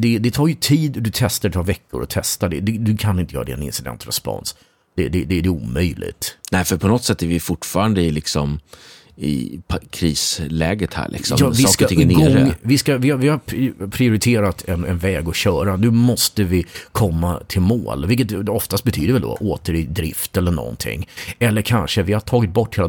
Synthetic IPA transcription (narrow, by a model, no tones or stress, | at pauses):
d̪ɛd̪ɛt̪ʰɑːɾjɵt̪ʰiːd̪d̪ɵt̪ʰɛst̪aɾɛt̪̚pʰɑɾvɛkːʊ̰ɾɔ̰t̪ʰɛst̪aɖɛd̪ɛd̪ɵkʰanɪnt̪əjœːɾadɛ̰nɪ̰nsɪd̪ɛ̰nt̪ɾɛ̰spɔ̰ns | d̪̥ɛd̪ɛd̪æɖɛṵːmœjlʔɪ̰t̪nɛɪfœɾpʰɔnɔt̪sɛt̪ːɛɾvɪfʊʈːfɑːɾand̪əɪlɪksɔm | ɪ̰pʰkʰɾiːslɛːɡət̪hæ̰ːɾɭʔɪ̰ksɔ̰mːɑsvɪɔːskatʰɪnɡɔŋɾəvɪskavɪavɪhaɾʰpʰɾɪʊɾɪt̪ʰeːɾat̪ʰɛnɛnvɛːɡɔɕœːɾanʉ̟ːmɔst̪əvɪkʰɔmːat̪ʰɪlmo̰ːlvɪlk̬ːət̪ɔft̪ast̪bɛt̪ʰyːd̪əɾvɛld̪ɔ̰ʔoːt̪əɾɪd̪ɾɪft̪ɛlːəɳɔ̰nt̪ʰɪ̰ŋːɛlːəɾkʰanʂəvɪhaʈʰɑːɡɪt̪̚bɔʈːheːl